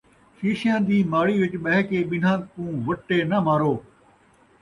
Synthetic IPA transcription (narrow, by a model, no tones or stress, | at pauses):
ʃiːʃɪjãːd̪iːmaːɽiːʋɪt͡ʃɓɐɦɪkeːɓɪn̤ãːkũːʋɐʈːeːnəmaːɾoː